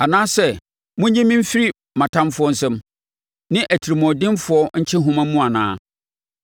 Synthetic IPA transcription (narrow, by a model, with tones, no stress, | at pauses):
a˨nãː˦sɛ˦˨ | mʊ̃˦ɲ˦ɲɛ̃˦mĩ˦m̩˦fi˦ɾi˦ | mã˨tʰã˦mfʊ˦ɔ˦n̩˦sɛ̃˦m | nɪ̃˦ʔæ˨tʰi˨ɾi˨mɔ̃˨dɪ̃˦nfʊ˨˦ɔ˦ɲ̩˦t͡ɕʰɪ̃˦ɦʊ̃˦mã˦mũ˦a˨nã̰ː˦